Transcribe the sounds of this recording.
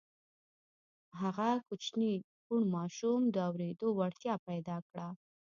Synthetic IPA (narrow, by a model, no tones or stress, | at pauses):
ɦaɣakut͡ʃni | kuɳmɑʃumd̪əawɾed̪owaɽt̪jɑpajd̪ɑkɽa